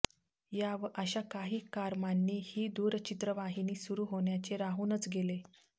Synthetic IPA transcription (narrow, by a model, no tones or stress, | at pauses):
jaʋəɕakaɦiːkaɾmanːiːhiːd̪uːɾt͡ɕit̪ɾəʋaɦiniːsuɾuːɦoɳjat͡ɕeɾaɦuːnət͡sɡele